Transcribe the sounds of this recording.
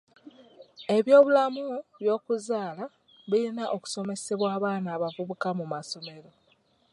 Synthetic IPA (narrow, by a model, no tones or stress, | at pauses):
e̞βjo̞ːβulamuβjo̞ːkuzaːla | βilinaʔo̞ku̥so̞me̞se̞βwaːβaːnaːβavuβukamumaso̞me̞ɾo̞